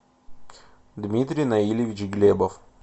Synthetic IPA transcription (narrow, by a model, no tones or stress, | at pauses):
d̪mʲit̪ɾʲijnɐilʲɪvʲɪt͡ɕɡlʲebəf